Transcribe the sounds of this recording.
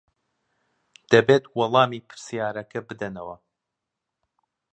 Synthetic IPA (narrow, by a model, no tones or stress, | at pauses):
d̪̥ɐbeːt̪wɑlˠɑːmiːpʰɨ̥ɾsijaːɾɐkɐbɨd̪ɐnɐwɐ